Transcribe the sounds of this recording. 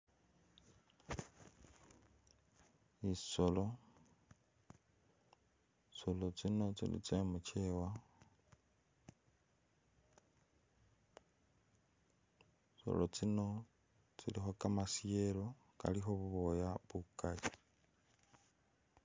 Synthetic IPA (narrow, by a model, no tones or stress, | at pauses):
isolo | solot͡sino̞t͡sḭlḭt͡semuce̞wa | so̰lo̰t͡sino̞ | t͡silixokamasielo | ka̰lixoβuβo̞jaβukaci̥